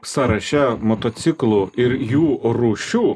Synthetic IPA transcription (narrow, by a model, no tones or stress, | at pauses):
sɑɾɐʃʲɛmot̪ot̪sʲɪklˠuɪɾjuːɾuːʃʲuː